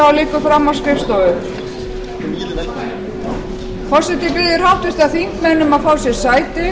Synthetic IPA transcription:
awliːkʏfɾamːawskɾɪfst̪ɔʏ | fɔsɛt̪ɪpɪðɪɾ̥hawht̪ʏst̪aðθiŋkmɛnːʏmaðfaːwsjɛɾsaːjt̪ɪ

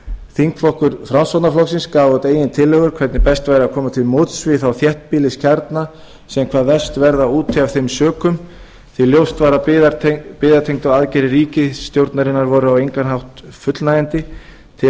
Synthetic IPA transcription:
θiŋk̪flɔhkʏɾθɾawnsvawt̪naflɔksɪnskaːvɔt̪eːjɪnt̪ʰɪlːœɣʏɾ̥kʰvɛɾt̪nɪpɛst̪vajɾɪakʰɔːmat̪ʰɪlmoːt̪svɪθawθjɛht̪piːlɪscʰaɾt̪na | sɛmkʰvaːðvɛst̪vɛɾðauːt̪ʰːɪav̥θejmsœːkʏm | θiljowst̪vaːɾaat̪pɪːðaɾt̪ʰejŋt̪ʏaðcɛɾɪriːcɪst̪jowɾt̪naɾɪnːaɾvɔɾʏawejŋkanɦawht̪fʏt̪lnaɛnt̪ɪ | t̪ʰɪ

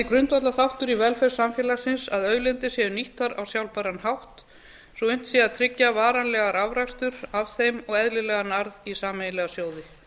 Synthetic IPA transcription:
ɪkɾʏnt̪vat̪laθawht̪ʏɾivɛlfɛɾ̥samfjɛːlasɪnsaðœːɥlɪnt̪ɪshɛðʏniht̪aɾa̰wsjawlpaɾanɦawht̪ | sɔʏn̥t̪siaðt̪ʰɾɪcːavaːɾanlɛɣaɾʔavɾakst̪ʏɾavθejmɔɣɛðlɪlɛːɣanaɾðisaːmejnlɛɣasjoːwðɪ

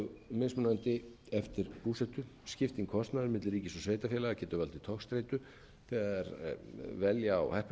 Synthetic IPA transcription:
mɪsmʏnant̪ɪɛft̪ɪɾpuːsɛht̪ʏscɪft̪iŋkʰɔst̪naðʏɾmɪt̪lriːcɪsɔsveːjt̪afjɛlaɣacɛːt̪ʏvalt̪ɪt̪ʰɔkst̪ɾejt̪ʏ | θɛːɣaɛɾvɛlja̰ːwhɛhp

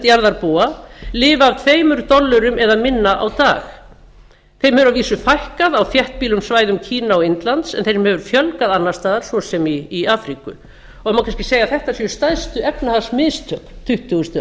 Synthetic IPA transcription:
t̪jaɾðaɾpoːalɪːvaːvt̪ʰveːjmʏɾt̪ɔlːʏɾʏmɛðamɪnːaʔa̰wt̪a̰ːx | θejɾmhɛvɾaviːsʏfajhkaðawfjɛht̪̚piːlʏmsvaːjðʏmcʰiːnaɔɪnt̪lant̪sɛ̰nθejɾmhɛvʏɾ̥fjœlkaðanːḁst̪aːðaɾ̥sɔsɛmiːaːfɾikʏ̰ | ɔɛmawkʰanscɪ̥seːjaθɛht̪asiʏst̪ajðst̪ʏɛpnahasmɪðst̪ʰœk̪t̪ʰʏht̪uɣʏst̪

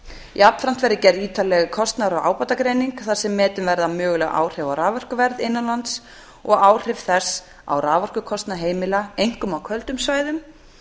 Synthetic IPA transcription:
japnfɾam̥t̪vɛɾðɪcɛɾðiːt̪alɛɣkʰɔst̪naɾɔɣa̰ːwpat̪akɾeːjniŋkθasɛmːɛːt̪ʏmvɛɾðamœːɣʏlɛɣʔa̰ːwr̥ɛvawɾaːvɔr̥kʏvɛɾðɪnːalant̪s | ɔɣaːwr̥ɪvθɛs | a̰wraːvɔr̥kʏkʰɔst̪naɦeːjmɪlaejŋ̥kʏmawkʰœlt̪ʏmsvaːjðʏm

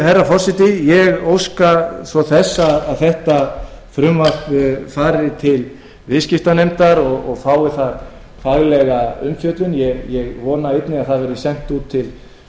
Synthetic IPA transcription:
harːafɔr̥sɪt̪ɪjɛɣowskasvɔθɛsːaðaðθɛht̪a | fɾʏmvatʏfaːɾɪt̪ʰɪl | vɪðscɪft̪anejmt̪aɾɔɣɔɣfaːwɪθaɾ | faɣlɛɣaʏmfjœt̪lʏnjɛɣjɛɣvɔːnaejt̪nɪaðθaðvɛɾʏðʏsɛn̥t̪uːt̪ʰːɪl

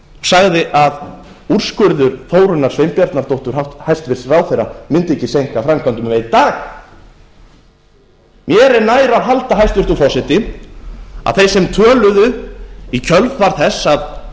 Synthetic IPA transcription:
saɣðɪʔað | ur̥skʏɾðʏɾ̥foːwɾʏnːaɾ̥svejmpjaɾt̪naɾt̪owht̪ʏɾ̥hawht̪hajst̪vɪr̥srawθejramʏnt̪ɪɛcːɪsejŋ̥kafɾamkʰant̪ʏmvejðt̪aːx | mjɛɾɛɾnaːjɾaɾɦalt̪aɦajst̪vɪɾ̥t̪ufɔrsɪt̪ɪ | a̰ðθejsɛmt̪ʰœːlʏðʏicʰœlvvaɾ̥θɛsːað

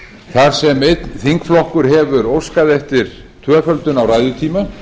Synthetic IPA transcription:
θaɾ̥sɛmejt̪nθiŋkflɔhkʏɾ̥ɦɛvʏɾowskaðɛft̪ɪɾ̥ | t̪ʰvœːfœlt̪ʏnawraːjðjʏt̪ʰiːma

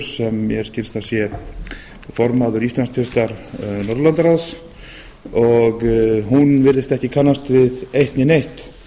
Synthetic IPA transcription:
ɾ̥sɛmːjɛɾ̥scɪlst̪asjɛ | fɔɾmaðʏɾist̪lansk̪fɪst̪aɾnɔɾlant̪aɾaws | ɔɣɦunvɪɾðɪst̪ɛhcɪkʰanːast̪vɪðejht̪nɪnejht̪

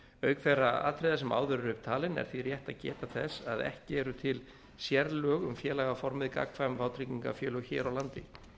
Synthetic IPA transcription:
œːɥkfɛɾaa̰ːt̪ʰɾɛjðasɛma̰ːwðʏɾʏɾʏp̚t̪ʰaːlɪnɛ̰ɾ̥θvirjɛht̪aðcɛ̰ːt̪aθɛsːaðɛ̰hcɪɛɾʏt̪ʰɪl | sjɛɾlœːɣʏmfjɛːlaɣafɔɾmɪðka̰ːkʰvajmvaːwt̪ʰɾiciŋka̰fjœːlœçɛ̰ːɾawlant̪ɪ

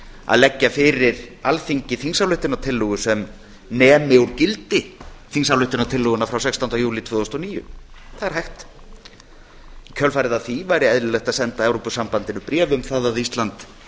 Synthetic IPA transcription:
a̰ðlɛcːafɪɾɪɾalθiɲcɪθinsawlʏht̪ɪnawt̪ʰɪlːɔɣʏsɛm | nɛːmɪwɾcɪlt̪ɪθinsawlʏht̪ɪnat̪ʰɪlːɔɣʏnafɾawsɛksɔnawjuːlɪt̪ʰvʏːðɔst̪ɔniːjʏ̰θaðɛɾ̥hajxt̪ | cʰœlfajɾɪðaðθivaːjɾɪɛðlʏlɛxt̪aðsɛnt̪aɛwɾɔpʏsampant̪ɪnʏpɾɛːvʏmθaðaðist̪lant̪

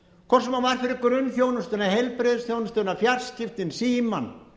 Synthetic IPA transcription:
kʰɔr̥sɛmavaɾ̥fɪɾɪkːʏɾʏnːθjoːwnʏst̪ʏnahejlpɾeːðɪsθjownʏst̪ʏːnafjar̥scɪft̪ɪnsiːman

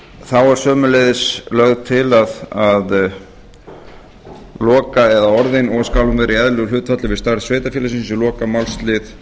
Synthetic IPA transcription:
θawaɾ̥sœːmʏleðɪslœɣðt̪ʰɪlaðað | lɔːkaɛðaɔɾðɪnɔɣskaːwlʏmvɛːɾɪɛðlɛɣʏːt̪fat̪lɪvɪðst̪aɾðsveːt̪afjɛːlas̬ɪns̬ʏlɔːkamawlst̪lɪθ

